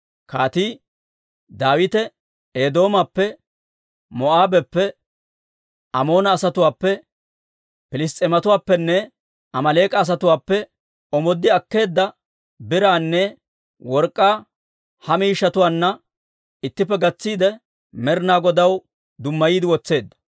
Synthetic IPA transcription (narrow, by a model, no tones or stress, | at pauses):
kaːt̪iː | d̪aːwɪt̪ɛ | eːd̪o̞ːmɐpːɛ | mɔʔaːbɛpːɛ | ɐmo̞ːnɐːsɐt̪ʊwaːpːɛ | pɪlɪs̬t̪ʼɛmɐt̪ʊwaːpːɛnːɛ | ɐmɐleːkʼɐːs̬ɐt̪ʊwaːpːɛ | ʔɔmɔd̪ːɪɐkːe̞ːd̪ːɐ | bɪɾaːnːɛ | wɔɾkʼːaː | hɐmiːʃːɐt̪ʊwaːnːɐ | ɪt̪ːɪpːɛɡɐt͡sːiːd̪ɛ | mɛɾnaːɡɔd̪ɐw | d̪ʊmːɐjiːd̪ɪwɔt͡sːe̞ːd̪ːɐ̥